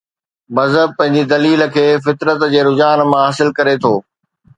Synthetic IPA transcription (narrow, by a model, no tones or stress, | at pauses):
mɐzəb̚pɐ̃ɦɪ̃ɲd͡ʑid̪ɐliːlə̆kʰeːfɪt̪ɾət̪d͡ʑeːɾʊd͡ʑaːnmãɦaːsɪlkɐɾet̪ʰoː